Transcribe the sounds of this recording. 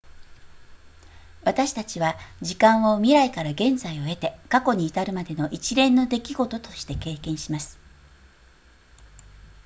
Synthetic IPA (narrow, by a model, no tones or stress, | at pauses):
βat̪aɕi̥t̪at͡ɕiβad͡ʑikãɰ̃o̞mʲiɾaikaɾaɡẽ̞nd͡zaio̞e̞t̪e̞kako̞ɲ̟iːt̪aɾɯ̟mad̪e̞no̞ʔit͡ɕiɾẽ̞nːo̞d̪e̞kʲiɡo̞t̪o̞t̪o̞ɕi̥t̪e̞ke̞ːkẽ̞ɰ̃ɕimasɨ̥